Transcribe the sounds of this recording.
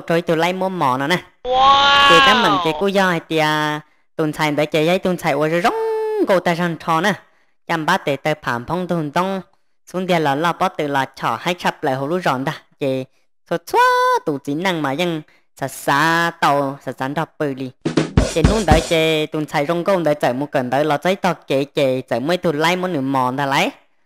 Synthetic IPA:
ʈ͡ʂo˧˦i˦˧t̪u˧˨la˧˥jmu˧˦əmɔ˨nɔ˧˨na˧˨ | ke˧t̪a˦mə˨˩ŋke˧˨ku˧˥jɔ˧˨ha˧jt̪i˧ə˧ | t̪u˨˧˩nt͡sʰa˧jd̪ə˨˦je˨˧ja˧˥jt̪u˧˩˨nsa˧jʔu˧ə˧zzo˦ŋɡo˧˨t̪a˧za˧˨ntʰɔ˧na˧˩˨ | ja˧˨mbaː˦t̪e˨˩t̪ə˧pʰaː˨˩mpʰɔ˧˦ŋt̪u˧˨nt̪ɔ˦ŋ | su˧˦nd̪i˧lɔ˨˩lɔ˧pɔ˦t̪ɨ˧˨lɔ˧˩t͡ɕʰɔ˧˩ha˧˥jʈ͡ʂʰa˧p̚lə˨˩ɦo˧˨lu˦zɔ˨˩˨nd̪a˧˨ke˨ | so˧t͡sʰwa˦t̪u˨˩t͡si˨˦na˧˨ŋmaː˨jə˧˨ŋ | sa˨˩saː˧˦t̪ɔ˧wsa˨˩sa˨˦ndɔ˧˩pɨ˧li˧˩ke˨nu˦˥˨nd̪ə˨˦ke˧t̪u˨˩nt͡sʰa˧jzo˧˥ŋɡo˧˨nd̪ə˨˦t͡sə˨˩mu˧˦kə˨˩˨nd̪ə˨˧˦lɔ˧˩t͡sə˧˥jt̪ɔ˧˩ke˨ke˨˧t͡sə˨mu˧˥ə˨jt̪u˧˩la˧˥˦jmu˧˥nɨ˧˩mɔ˨nd̪a˧la˧˦j

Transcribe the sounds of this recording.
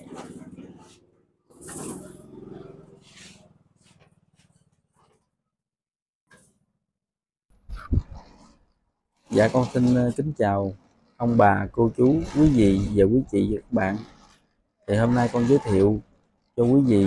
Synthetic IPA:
za̰ː˧˨kɔ˧nsi˧nkï˨˦ŋ̟t͡ɕaː˨˩w | ʔə˧wŋ͡mɓaː˨˩ko˧t͡ɕu˨˦kwi˨˦vḭ˧˨vaː˨˩kwi˨˦t͡ɕḭ˧˨ɲə˨˦˥k̚ɓa̰ː˧˨n | t̪ʰi˨˩hoː˧mna˧jkɔ˧nzəː˨˦jt̪ʰi˧˨əw | t͡ɕɔ˧kwi˨˦vḭ˧˨

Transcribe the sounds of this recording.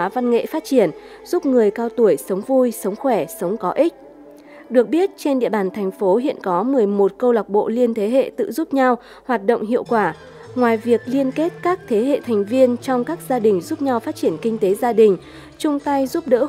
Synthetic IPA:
aː˨˦va˧nŋḛ˧˨faː˦˥t̚t͡ɕi˧˩ən | zu˦˥p̚ŋɨ˨˩əjkaː˧wt̪u˧˩əjsə˨˦wŋ͡mvu˧jsə˨˦wŋ͡mxwɛ˧˩sə˨˦wŋ͡mkɔ˨˦ʔi˦˥k̟̚ | ɗɨ˨˩ək̚ɓi˦˥ət̚t͡ɕe˧nɗḭ˧˨əɓaː˧˩nt̪ʰɛ˨˩jŋ̟fo˨˦ɦḭ˧˨ənkɔ˨˦mɨ˨˩əjmo˨˩t̚kə˧wla˨˩k͡p̚ɓo̰˧˨li˧ənt̪ʰe˨˦ɦḛ˧˨t̪ɨ̰˧˨zu˦˥p̚ɲa˧w | hwaː˨˩t̚ɗo̰˧˨wŋ͡mɦḭ˧˨əwkwaː˧˩ | ŋwaː˨˩jvi˨˩ək̚li˧ənke˦˥t̚kaː˦˥k̚t̪ʰe˨˦ɦḛ˧˨t̪ʰɛ˨˩jŋ̟vi˧ənt͡ɕɔ˧wŋ͡mkaː˦˥k̚zaː˧ɗï˨˩ŋ̟zu˦˥p̚ɲa˧wfaː˦˥t̚t͡ɕi˧˩ənkï˧ŋ̟t̪e˨˦zaː˧ɗï˨˩ŋ̟ | t͡ɕʊ˧ŋ͡mt̪a˧jzu˦˥p̚ɗə̰ː˧˥

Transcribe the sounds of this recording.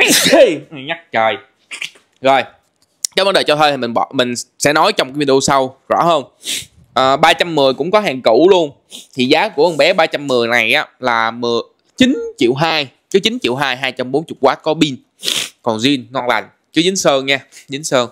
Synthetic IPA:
ɲa˦˥k̚t͡ɕəː˨˩j | zo˨˩j | kɛ˦və˧nɗe˨˩t͡ɕɔ˧t̪ʰəː˧jt̪ʰi˨˩mï˨˩ŋɓɔ̰˧˨mï˨˩ŋ̟sɛ̰˧˥nɔ˨˦jt͡ɕɔ˧wŋ͡mkːvi˧˩ɗu˧sa˧wzɔ̰˧˥ɦəː˧n | ʔəː˨˩ɓaː˧t͡ɕa˧mːɨ˨˩əjkʊ̰˧˥ŋ͡mkɔ˨˦ɦaː˨˩ŋku˧˩lu˧ən | t̪ʰi˨˩zaː˨˦ku˧˩əʔə˧nŋ͡mɓɛ˨˦ɓaː˧t͡ɕa˧mːɨ˨˩əjna˨˩jʔaː˨˦laː˨˩mɨ˨˩ə | t͡ɕi˨˦nt͡ɕḭ˧˨əwɦaː˧j | kɨ˨˦t͡ɕï˨˦nt͡ɕḭ˧˨əwɦaː˧jɦaː˧jt͡ɕa˧mɓo˨˦nt͡ɕʊ˨˩t̚kwaː˨˦˥t̚kɔ˨˦ɓi˧n | kɔ˨˩nzi˧ənŋɔ˧nla̰˨˩jŋ̟ | t͡ɕɨ˨˦zɨ˨˦ŋsəː˧nɲaː˧zɨ˨˦nsəː˧ŋ

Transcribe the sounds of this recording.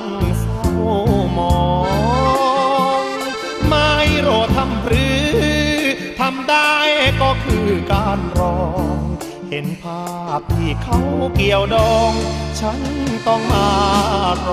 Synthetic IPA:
ŋsa˥˩wmɔː˨˩ | ŋ | ma˧˥˩jɾoː˨˩t̪ʰːa˧˩mpʰɾɯː˦˧˥ | t̪ʰa˧mdaː˥˩jkɔː˥˩kʰɯː˧kaː˧˩nɾɔː˧ŋ | he˨˦npʰaː˧˥˩p̚t̪ʰiː˧˩kʰa˦˥˩wki˨˩əwdɔː˧ŋt͡ɕʰa˦˥nt̪ɔ˥˩ŋmaː˧

